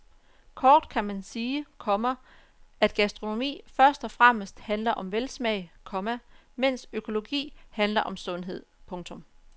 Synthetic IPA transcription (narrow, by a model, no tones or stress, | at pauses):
kʰɒːd̥kʰæmænsiːkʰɒ̽mɐ | æd̥ɡ̥æsd̥ʁo̝no̝mḭːfɶɐsd̥ɒ̽fʁam̰əsd̥hænlɐʔɒ̽mʋelsmɛɪkʰɒ̽mæmen̰søkʰo̝lo̝ɡ̥ḭːhænlɐʔɒ̽msɔ̽nɦe̝ð̞̰ˠpʰɔ̽ŋt͡sʰɔ̽m